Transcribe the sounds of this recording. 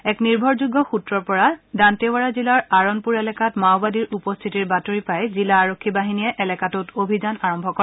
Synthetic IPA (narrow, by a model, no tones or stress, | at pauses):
ɛkniɹbʱɔɹzuɡːɔxutɹɔɹpɔɹadantewaɹazilaɹaɹɔnpuɹɛlɛkatmawbadiɹʔupɔstʰitiɹbatoɹipajzilaːɹokʰːibaɦiniɛʔɛlɛkatutobʱizanaɹɔmbʱɔkɔ